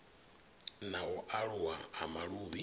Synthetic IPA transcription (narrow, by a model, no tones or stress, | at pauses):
nawɔʔaɺuwaːmaɺuːβi